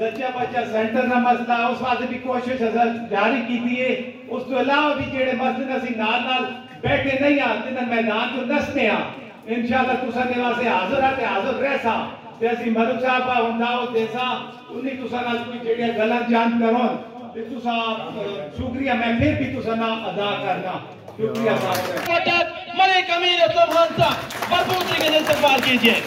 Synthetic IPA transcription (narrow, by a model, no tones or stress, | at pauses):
dət̪jãːpat͡ʃaːsɛ̃ːɳʈəɾnãːməsd̪aːʊsmãːt̪eːbʱiːkoːʃɪʃəsəd̪ʱaːɾiːkiːt̪iːeː | ʊst̪õːəlaːʋaːbiːd͡ʒeːɽeːməsd̪nəsĩːnaːlnaːl | bɛːʈ̪ʰeːnãːĩːãːt̪ɪnãːmɛːd̪aːnd͡ʒoːnəsd̪eːãː | ɪnʃaːlːaːt̪ʊsãːneːʋaːseːɦaːzəɾaːt̪eːɦaːzəɾɾɛːsãː | t̪eːəsĩːməɾʊksaːpaːɦʊ̃nd̪aːot̪eːsãː | ʊnːĩːt̪ʊsãːnaːlkoiːt͡ʃeːɽijãːɡəlãːd͡ʒaːnt̪kəɾõː | t̪et̪ʊsãːʃʊkɾɪjãːmɛ̃ːmeːɾbʱiːt̪ʊsãːnãːʔəd̪aːkəɾnaː | ʃʊkɾɪjaːsaːbkəɾoːt̪a | məɾeːkəmiːɾeːt̪oːənsãːbəɾbuːt̪iːkenest̪əbaːlkiːd͡ʒiẽː